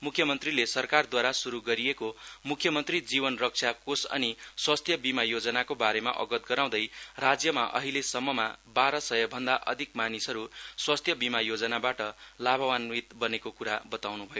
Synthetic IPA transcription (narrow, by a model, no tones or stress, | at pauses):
mukʰːjʌmʌnt̪rilesʌrkard̪waɾasuɾuɡʌɾijekomukʰːjʌmʌnt̪rid͡zibʌnrʌk̚t͡sʰakosʌ̰niswʌst̪ʰjʌbimajod͡zʌnakobaɾema̰ʔʌ̰ɡʌt̪̚ɡʌɾaw̃d̪ʌjrad͡zjʌma̰ʔʌ̰ɦilesʌmːʌmabaɾʌsʌjʌbʱʌnd̪aʔʌd̪ʱikmanisʌɾuswʌst̪ʰjʌbimajod͡zʌnabaʈʌlabʱʌwanwit̪bʌnekokuɾabʌt̪awnubʱʌjo